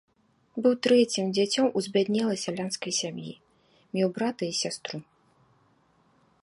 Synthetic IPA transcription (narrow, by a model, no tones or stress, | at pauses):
bɨwt̪ɾɛt͡sʲimd͡zʲat͡sʲɔmuzʲbʲad̪nʲɛlˠɐsʲalʲanskɐjsʲamjḭ | mʲjɛwbɾat̪ɐisʲast̪ɾu